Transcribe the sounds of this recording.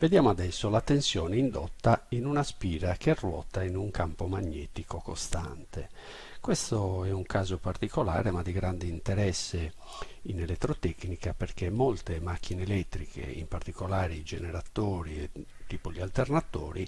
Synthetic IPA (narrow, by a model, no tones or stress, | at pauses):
ved̪jaːmoad̪ɛsːolat̪ensjɔːneind̪ɔt̪ːainunaspiːɾakerːwɔ̰ːt̪ainuŋkampomaɲːɛːt̪ikokost̪ant̪e | kwɛst̪oɛuŋkaːzopart̪ikɔla̰ːɾemad̪ːiɡɾand̪iint̪ɛɾɛsːe | inɛlɛt̪ːɾot̪ɛknikapeɾkemːɔlt̪emak̟ːineːlɛt̪ːɾikʰḛḭmpart̪ikolaːɾid͡ʒenɛɾat̪oːɾiɛ | t̪ːiːpolialt̪ernat̪oːɾi